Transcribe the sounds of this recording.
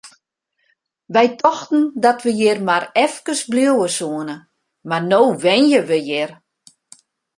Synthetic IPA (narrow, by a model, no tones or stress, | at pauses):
ʋɛjtʰɔxtn̩dɔtʋəjɪrmarɛfkəsbljowəsuənə | marnoːʋɛnjəʋəjɪr